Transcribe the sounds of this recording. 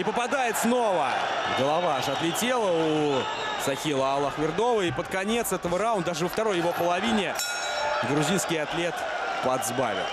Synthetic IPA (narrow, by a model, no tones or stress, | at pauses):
ipəpad̪ajɪt̪sno̞və̰ɡəlˠavaʂɐt̪lʲɪtʲe̞lˠəuu | sɐxʲilˠəɐlˠaxvʲɪrd̪o̞vəipət̪kɐnʲe̞t̪sɛt̪əvəɾawʊnd̪əd̪aʐɨvəft̪ɐɾo̞jːɪvo̞pəlˠɐvʲinʲɪ | ɡɾʊzʲinskʲɪjɐt̪lʲe̞t̪ | pɐd̪zba̰vʲɪ̰t̪ˠ